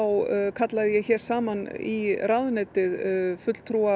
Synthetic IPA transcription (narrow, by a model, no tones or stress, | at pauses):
wkʰat̪laðɪjɛɣçɛːɾ̥saːmaniraðʏnɛːt̪ɪðfʏt̪l̥t̪ʰɾuːa